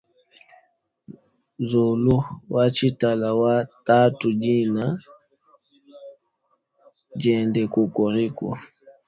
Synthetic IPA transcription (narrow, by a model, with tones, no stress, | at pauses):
zo˨lu˦wa˦t͡ʃi˦ta˨la˨wa˦ta˦tu˨d͡ʒi˦na˨ | d͡ʒɛ˨ndɛ˨ko˨kɔ˨ɾi˦kɔ̰˨